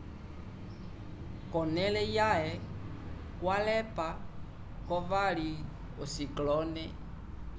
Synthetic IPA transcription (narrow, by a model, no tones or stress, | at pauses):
kɔnɛlɛjaɦɛ | kwalɛpa | kɔvaɺi | osiklɔnɛ